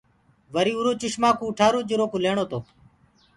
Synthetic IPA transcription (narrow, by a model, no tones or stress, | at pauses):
ʋəɾiːuːɾoːt͡ʃɪʃmãːkũːʈʰaːɾoːd͡ʒɪɾoːkuːleːɳoːt̪oː